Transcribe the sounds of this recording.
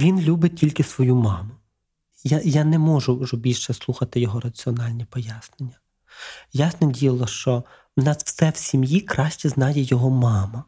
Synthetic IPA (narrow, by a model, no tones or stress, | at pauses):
ʋʲinlʲubɪtʲilʲkɪsʋɔjumɑmʊ | jajanɛmɔʒʊʒɔbʲilʲʃɛslˠuxɐt̪ɪjɔɦɔɾɐt͡sʲiɔnɑlʲnʲipɔjasnenʲːɐ | jasnɔdʲijɐlˠɔʃt͡ʃɔ | nɑswsɛw̥sʲimjikɾɑʃʲt͡ʃiznɑjɛjɔɦɔmɑmɐ